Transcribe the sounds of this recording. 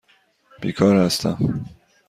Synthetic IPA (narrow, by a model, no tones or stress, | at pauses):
b̥ḭːkʰɒːɾhæst̪ʰæ̰m